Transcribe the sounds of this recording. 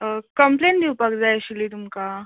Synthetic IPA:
kəmplend̪ʱiwpakd͡zajɕilit̪umka

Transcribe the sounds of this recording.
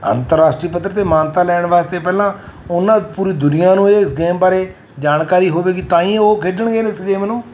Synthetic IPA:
ə̰nt̪əɾaːsʈɾiːpət̪ɾət̪eːmãːnt̪aːlɛːɳʋaːst̪eːpɛːlãː | ʊnãːpuːɾiːd̪ʊnijãːnũːeːsɡeːmbaːɾeː | d͡ʒaːnkaːɾiːɦoːʋeːɡit̪ãːĩːoːkʰeːɖəɳɡeːnɪsɡeːmnũː

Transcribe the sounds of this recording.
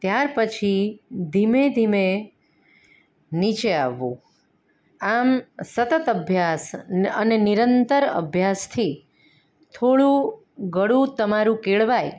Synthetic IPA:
t̪jaɾpət͡ʃʰid̪ʱimed̪ʱime | nit͡ʃea̰ʋːṵ̃ | amsət̪ət̪əbʱjasə̰nenɪɾənt̪əɾə̰bʱjast̪ʰi | t̪ʰoɭũ | ɡəɽũt̪əmaɾũkeɭʋaj

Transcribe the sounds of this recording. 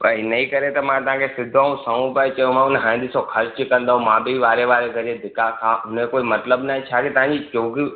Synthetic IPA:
pɐinɐĩkɐɾet̪ɐmãt̪ɐʋ̤ãkʰesɪd̪ʱãːũsɐ̃ũpait͡ɕɐjũmãʊnɦãːnd̪isõkʰɐɾt͡ʃɪkɐ̃nd̪aːɦũmãːbɪiʋaːɾeʋaːɾeɡɐɾẽd̪ɪkakʰãɦʊnekoːimɐt̪ləbnaɦɛ̃t͡ʃʰaːkʰet̪ɐɦãɲd͡ʑit͡ɕoːɡi

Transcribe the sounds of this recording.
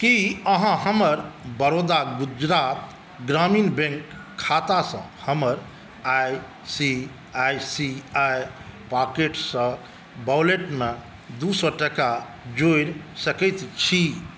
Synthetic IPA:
kiəɦãɦəməɾbəɾod̪aɡud͡ʒɾat̪ | ɡɾaminbẽŋkʰː | at̪asə̰̃həməɾ | aj | si | ajsiajpakeʈsə̃ | bawleʈme | d̪usɔʈəka | d͡ʒojɾsəkɛt̪t͡ʃʰi

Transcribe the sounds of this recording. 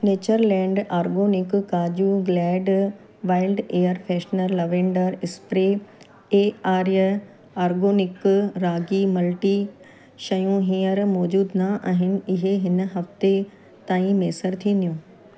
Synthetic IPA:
neːt͡ɕəɾlɛ̃ːɳɖaːɾɡoːnɪkːaːd͡ʑuɡlɛːɖ | ʋaːɪlɖeːəɾfʰɛːʃnəɾlɐʋẽːɳɖəɾɪspɾe | eːaːɾjə | aːɾɡoːnɪkɾaːɡimɐlʈi | ʃɐjũɦĩːəɾmɔːd͡ʑuːd̪naʔaːɦɪnɪ̆ɪɦeɦɪnɦɐft̪e | t̪aːĩmeːsəɾt̪ʰĩːn̆d̪ijũː

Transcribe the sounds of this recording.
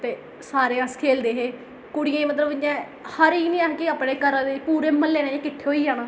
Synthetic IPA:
t̪eː | saːɾeːãskʰeːld̪eːɦeː | kʊɽɪjãːiːmət̪ləbɪjãː | həɾiːnĩːankeaːpɽeːkəɾãd̪eːpuːɾeːməlːeːnẽːẽːkɪʈʰːeːɦoːiːd͡ʒaːnãː

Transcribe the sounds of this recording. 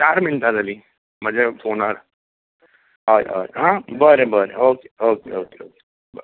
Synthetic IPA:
t͡ɕaɾmint̪ad͡zali | məd͡zefʰonaɾ | aa̰ɦãbəɾebəɾḛoke̥okeokeoke̥ | bə

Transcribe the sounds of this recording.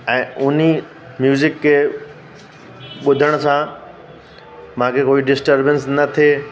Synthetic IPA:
ɛ̃ːʊni | mjuːzɪkːe | ɓʊd̪ʱəɽ̃sã | mãkʰekoːiɖɪsʈəɾbənsnɐt̪ʰe

